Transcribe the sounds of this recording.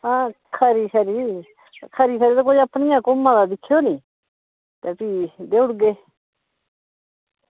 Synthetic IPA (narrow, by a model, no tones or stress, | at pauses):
ãː | kʰəɾiːkʰəɾiː | kʰəɾiːsʰəɾiːt̪okoːəpniːãːkomãːd̪aːd̪ɪkʰːjoːnĩː | t̪eːpiːd̪eːʊɽɡeː